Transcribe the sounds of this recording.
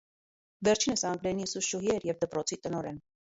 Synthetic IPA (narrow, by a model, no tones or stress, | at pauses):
vɛɾt͡ʃʰinəsɑŋɡɾɛnisuʃuɦiɛɾjɛvd̪əpɾɔt͡sʰit̪ənɔɾɛn